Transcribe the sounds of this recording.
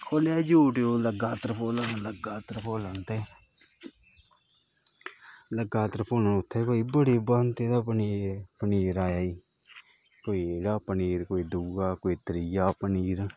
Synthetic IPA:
kʰoːljaːd͡ʒuːʈjoːləɡaːt̪əɾpʰoːlanləɡaːt̪əɾpʰoːlənt̪eː | ləɡaːt̪əɾpʰoːlaʊt̪ʰːeːbaːiːbəɽeːbaːnt̪eːd̪apəniːpəniːɾaːjaːiː | koːiːeːɽaːpəniːɾkoːiːd̪uːɡaːkoːiːt̪ɾɪjaːpəniːɾ

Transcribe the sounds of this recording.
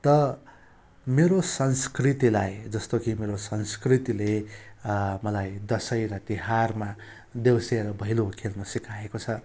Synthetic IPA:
t̪ʌ | meɾosʌnskrit̪ilajd͡zʌst̪okimeɾosʌnskrit̪ile | mʌlajd̪ʌsʌjɾʌt̪iɦarma | d̪ewseɾʌbʱʌijlokʰelnʌsikaekot͡sʰʌ

